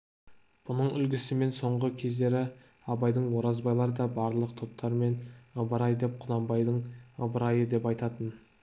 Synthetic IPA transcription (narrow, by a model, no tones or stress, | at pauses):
b̥ʊnəɴʏlɡʲɪsɪme̞nso̞ɴʁəkʲʰe̞zd̪e̞ɾɪ | ɑbɑjd̪əɴwo̞ɾɑzbɑjlˠɑɾəd̪ɑbɑɾlˠəqt̪ʰop̚t̪ʰːɑɾme̞nəbəɾɑjd̪e̞p̚qʰʊd̪ɑmbɑjd̪əɴəbəɾɑjəd̪e̞pɑjt̪ɑt̪ən